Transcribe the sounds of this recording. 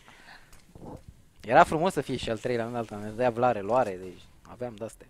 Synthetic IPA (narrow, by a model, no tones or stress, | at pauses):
jeɾafɾumo̞sːəfijeʃialt̪ɾejleaund̪alt̪aned̪əjavlaɾeloaɾed̪et͡ʃʲa̰veamd̪ast̪e